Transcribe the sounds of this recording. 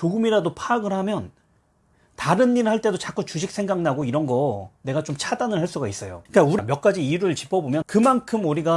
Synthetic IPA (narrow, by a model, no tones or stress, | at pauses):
t͡ɕoɡɯmiɾadopʰaːɡɯɾɦamjʌn | taɾɯnːiɾɯɭhaɭt͈e̞dot͡ɕak͈ut͡ɕuɕʰik̚sʰe̞ŋɡaŋnaɡoiɾʌnɡʌne̞ɡat͡ɕomt͡ɕʰadanɯɭɦaɭs͈uɡais͈ʌjo̰ik͈auɾimjʌk͈̚ad͡ʑiiɾɯɭt͡ɕi̥pʰʌbomjʌnkɯmankʰɯmuɾiɡa